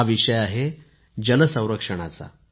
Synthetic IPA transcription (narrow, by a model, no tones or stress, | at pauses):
aʋiʂəjaɦe | d͡ʑələsə̃w̃ɾəkʂəɽ̃at͡sa̰